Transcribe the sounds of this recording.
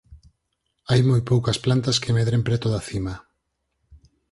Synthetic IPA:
ajmojpowkɐsplant̪ɐskemeðɾempɾet̪oðaθimɐ

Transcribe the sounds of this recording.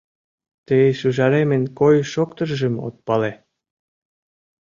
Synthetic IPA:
t̪eʃyʒɑɾemĕnʲkojʃokt̪ə̆rʒə̆mo̰t̪̚pɑle

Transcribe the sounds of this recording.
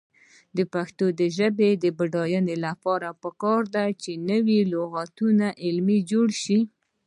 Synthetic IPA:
d̪əpaxt̪od̪əʒəbed̪əbaɖɑjənelapɑɾapəkɑɾd̪at͡ʃenəwiloɣat̪unaʔɪlmid͡ʒoɽʃi

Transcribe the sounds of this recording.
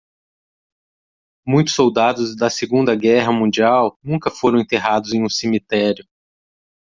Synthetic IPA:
mũj̃t̪ʊ̥sːowd̪ad̪ʊzd̪ɐseɡũnd̪ɐɡɛɦɐmũd͡ʒiawnũkɐfoɾɐ̃w̃ẽnt̪eɦad̪ʊzẽj̃ũsemit̪ɛɾjʊ

